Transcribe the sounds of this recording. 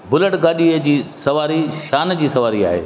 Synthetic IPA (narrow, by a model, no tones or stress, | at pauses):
bʊləʈɡaːɗiəd͡ʑiːsɐʋaːɾiʃaːnd͡ʑiːsɐʋaːɾia̰ːɦḛː